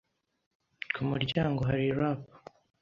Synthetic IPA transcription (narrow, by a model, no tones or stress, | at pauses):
kʰumuɾɟaːŋɡoɦaɾiɾapḁ